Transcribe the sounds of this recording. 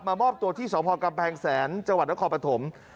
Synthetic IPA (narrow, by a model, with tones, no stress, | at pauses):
maː˧mɔː˥˩p̚t̪u˧ət̪ʰiː˥˩sɔː˩˦˥pʰɔː˧ka˧mpʰɛː˧ŋsɛː˩˦nt͡ɕa˧ŋwa˨˩t̪̚n˦˥kʰɔː˧pɾa˧t̪ʰo˩˦m